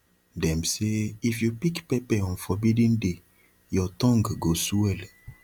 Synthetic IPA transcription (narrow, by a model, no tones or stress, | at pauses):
dɛ̃mseifjupikpɛpɛɔ̃nfɔbidĩnde | jɔtɔ̃ŋɡɡosuɛl